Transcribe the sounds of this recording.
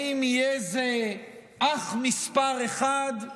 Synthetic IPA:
imijezeʔaχmispaʁeχad̪

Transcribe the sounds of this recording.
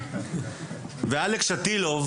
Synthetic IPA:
vealekʃat̪ilov

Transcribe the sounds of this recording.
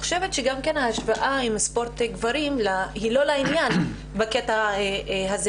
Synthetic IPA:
χoʃe̞vet̪ʃeɡamkanhaːʃvaʔaimspo̞ɾt̪eɡvaɾimlahilo̞lainjan | baketaeɦaze

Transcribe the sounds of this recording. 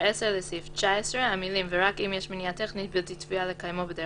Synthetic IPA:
ɛsɛɾlesift͡ʃaesɾehamilimveʁakimjɛʃmeniat̪ɛχnit̪̚bilt̪it̪fialekajmobəde

